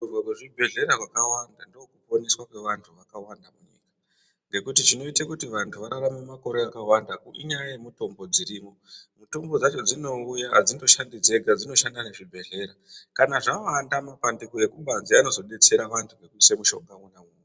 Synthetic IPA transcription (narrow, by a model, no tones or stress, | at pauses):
urwakweʐibʱe̞ɮe̞ɾaʐwakawandandookupo̞neswakwe̞ʋantʰuʋakawandamuɲḭːka | ŋɡe̞kutit͡ʃino̞itakutiʋantʰuʋaɾaramemako̞ɾe̞akawandakuʔḭɲajajemuto̞mbo̞d͡ziɾiːmo̞mutombod͡zat͡ʃo̞d͡zino̞ujaɦd͡zindo̞ʃandid͡ze̞ɡʱad͡zino̞ʃandaneʐibʱe̞ɮe̞ɾakanaʐawandamapandekoje̞kuɓanziano̞zo̞ɗe̞t͡se̞ɾaʋantʰuŋɡekusemuʃo̞̰ŋɡaunamune